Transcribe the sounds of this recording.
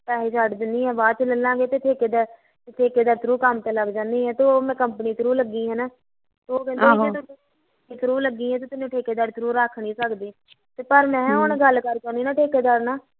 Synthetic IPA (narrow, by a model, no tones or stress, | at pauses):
pɛːɦeːt͡ʃaʈd̪ɪnd̪iːɦɛ̃ːbaːt͡ʃləlːãːɡeːt̪eːʈʰeːkeːd̪a | ʈʰeːkeːd̪aːɾt̪ɾuːkəmt̪eːləɡd͡ʒãːnd̪iːɦɛ̃ːt̪oomɛ̃ːkəmpniːt̪ɾuːləɡːiːɦɛːnaː | t̪ooːkɛ̃ːnd̪eeːt̪ot̪ː | ĩːt̪ʰɾuːləɡːiːɦɛ̃ːt̪eːt̪ɪnũːʈʰeːkeːd̪aːɾt̪ʰɾuːɾakʰɳiːsəkd̪eː | t̪eːpəɾmɛ̃ːɦʊnɡəlːkəɾt͡ʃaːniːnãːʈʰeːkeːd̪aɾnaː